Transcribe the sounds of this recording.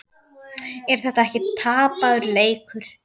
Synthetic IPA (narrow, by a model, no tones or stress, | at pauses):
ɛɾ̥θɛht̪aɛhcɪt̪ʰaːpaðʏɾleːjkʏɾ̥